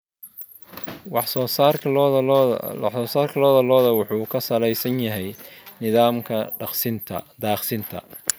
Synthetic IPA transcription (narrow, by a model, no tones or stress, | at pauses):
wɑħsɔːsaːrʰ | ɔːsaːrkʰɐlɔːðɐlɔːðɐwʊħuːkʰɐsɐlɛjsɐnjɐɦɛjnɪðaːmkʰɐsɪnt̪ʰɐ̰d̪aːχsɪnt̪ʰɐ̰